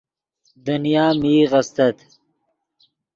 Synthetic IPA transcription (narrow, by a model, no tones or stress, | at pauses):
d̪unijaːmiːʁɐst̪ɐt̪